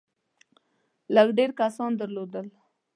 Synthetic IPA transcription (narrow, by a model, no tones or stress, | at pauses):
ləɡɖeɾkasɑnd̪əɾlod̪əl